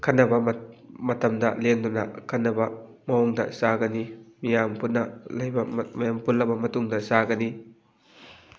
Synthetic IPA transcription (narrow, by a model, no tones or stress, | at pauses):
kʰɐnːɐbɐmmɐtɐmdɐlendunɐ̰kʰɐnːɐbɐ | mɐɔŋdɐ̰saɡɐnimijampunːɐlɐjbɐmɐjampulːɐbɐmɐtuŋdɐsaɡɐni